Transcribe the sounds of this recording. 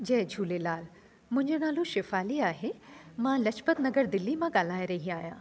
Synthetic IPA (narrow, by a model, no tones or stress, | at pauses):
d͡ʑɐːɦd͡ʑʱuːlelaːl | mʊ̃ɪɲd͡ʑənaːluʃɪfaːliaːɦemãlɐt͡ʃpət̪nɐɡəɾd̪ɪlːimãɡaːl̤aːjɾɐɦiaːɦjãː